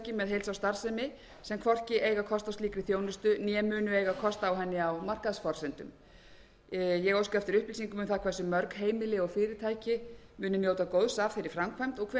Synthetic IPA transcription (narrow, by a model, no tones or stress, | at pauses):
cɪmɛðɦejlsawst̪aɾ̥sɛmɪ | sɛmkʰvɔr̥cɪʔeːjɣakʰɔst̪awst̪iːkɾɪθjoːwnʏst̪ʏnjɛmʏːnʏejɣakʰɔst̪aːwɦɛnːɪawmar̥kaðsfɔr̥sɛnt̪ʏ̰m | jɛɣowskaɛft̪ɪɾʏhplisiŋkʏmʏnθakʰvɛsʏmœɾkɦeːjmɪlɪɔɣfɪːɾɪt̪ʰaːjcɪmʏːnʏmjoːwt̪akoːwðsavfɪɾɪɾ̥fɾamkʰvajm̥t̪ɔɣkʰvɛ